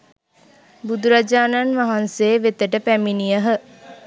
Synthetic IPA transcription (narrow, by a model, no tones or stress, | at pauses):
bud̪uɾad͡ʒaːnanʋaɦanseʋet̪əʈəpæminijəɦə